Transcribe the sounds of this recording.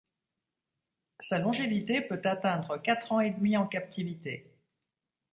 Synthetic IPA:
salɔ̃ʒevit̪epøt̪at̪ɛ̃d̪ʁəkat̪χɑ̃ed̪miɑ̃kap̚t̪ivit̪e

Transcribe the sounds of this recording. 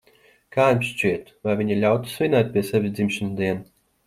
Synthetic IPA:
kaːjmʲʃt͡ʃiɛt̪vajvʲiɲalʲawt̪u̥svʲinajt̪̚ʲpʲiɛsɛvʲizd̪zimʃanud̪iɛn

